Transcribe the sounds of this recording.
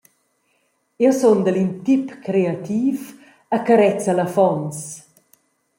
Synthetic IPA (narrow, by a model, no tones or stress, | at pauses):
ewsond̪əlint̪ipkɾeat̪iːf | akaɾɛt͡səlɐfɔns